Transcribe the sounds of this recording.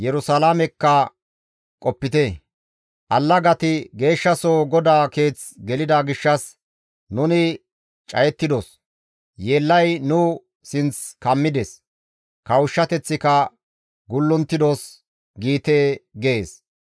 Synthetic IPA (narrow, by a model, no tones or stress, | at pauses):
jɛɾʊsɐlaːmɛkːɐ | kʼɔpːɪt̪e | ʔɐlːɐɡɐt̪ɪɡe̞ːʃːɐsoːɡɔd̪aːke̞ːt͡sɡɛlɪd̪aɡɪʃːɐs | nʊnɪ | t͡ʃʼɐ̰jɛt̪ːɪd̪os | jeːlːɐjnʊ | sɪnt͡skɐmːɪd̪ɛs | kɐwʊʃːɐt̪ɛt͡sːɪkɐ | ɡʊlːʊnt̪ːɪd̪os | ɡiːt̪eːɡe̞ːs